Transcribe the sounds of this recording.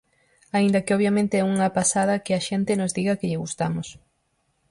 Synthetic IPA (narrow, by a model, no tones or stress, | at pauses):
aind̪ɐkɪoβ̞jamẽnt̪eɛuŋɐpasað̞ɐkɪɐʃent̪ɪnozðiɣɐkɪʎɪɣust̪amʊs